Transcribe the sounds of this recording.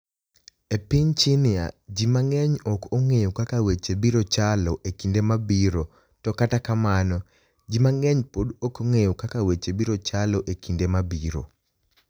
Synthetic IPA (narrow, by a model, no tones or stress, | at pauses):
epiɲt͡ʃinɪa̰d͡ʒimaŋɛɲɔkoŋejokakawet͡ʃebiɾot͡ʃalɔʔekindemabiɾo | tɔkatakamanɔ | d͡ʒimaŋɛɲpodokoŋejokakawet͡ʃebiɾot͡ʃalɔʔekʰindemabiɾo̰